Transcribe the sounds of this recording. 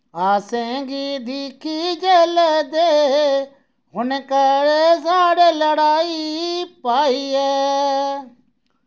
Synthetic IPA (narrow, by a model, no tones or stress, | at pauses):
aːsẽɡid̪iːkʰid͡ʒeːled̪eː | ɦʊnekɐɽezaːɽelɐɽaːipaːiɛː